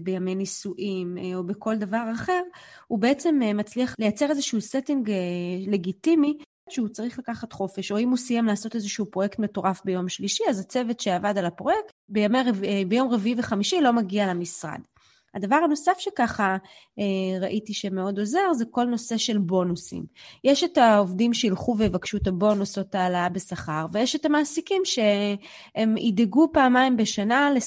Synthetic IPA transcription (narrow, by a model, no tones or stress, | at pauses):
bejame̞jnisuʔimobeko̞ldavaʁaχe̞ʁhubeet͡se̞mmat͡sliaχle̞jat͡se̞ʁezeʃuusetiŋɡele̞ɡitimi | ʃeut͡saʁiχlakaχat̪χo̞feʃo̞imhusijamlaːso̞tezeʃuupʁo̞je̞ktmeto̞ʁafbe̞jo̞mʃliʃiazat͡sevetʃe̞avadalapʁo̞jektbejamejebejo̞mʁeviiveχamiʃilo̞maɡialamisʁa̰d̥ | hadavaʁano̞safʃe̞kaχa | eʁaʔitiʃe̞me̞o̞do̞ze̞ʁzeko̞lno̞se̞ʃe̞lbo̞nusḭmjeʃe̞taovdimʃeilχuveivakʃutabo̞nuso̞taːlaabe̞saχaʁve̞jeʃetamaːsikimʃe̞ | emideɡupaːmajmbe̞ʃanale